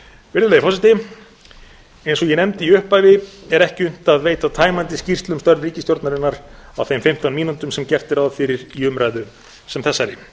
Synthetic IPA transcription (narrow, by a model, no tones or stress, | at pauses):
vɪɾðʏlejfɔsɪt̪ɪ | ejnsɔɣjɛnɛmt̪ɪiʏhpaːjvɪɛɾɛhcɪʏn̥t̪aðveːjt̪at̪ʰaːjmant̪ɪscir̥st̪lʏmst̪œɾvriːcɪst̪joɔɾt̪naɾɪnːaɾawθejmfɪm̥t̪anmiːnut̪ʏmsɛmcɛft̪ɛɾawðfɪɾɪɾiʏmɾajðʏ | sɛmθɛsːaɾɪ